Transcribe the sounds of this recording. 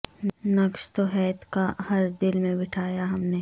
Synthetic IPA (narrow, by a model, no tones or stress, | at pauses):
nɐkʃt̪oɦɛːt̪kahɐɾd̪ɪlmẽbɪʈʰaːjaɦɐmneː